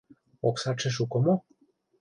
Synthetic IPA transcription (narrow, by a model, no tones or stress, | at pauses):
oksɑt͡ʃĕʃ̬ukŏmo